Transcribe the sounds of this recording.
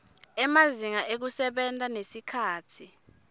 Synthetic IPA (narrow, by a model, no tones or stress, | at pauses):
ɛmaziŋaʔek̬usɛɓɛntʼanesikʰaːtʰi